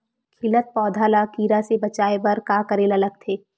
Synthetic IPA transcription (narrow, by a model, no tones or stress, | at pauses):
kʰɪlət̪̚pɔːd̪ʱaːlakiːɾasebɐt͡ʃaːebɐɾkaːkɐɾeːlɐləɡ̚t̪ʰeː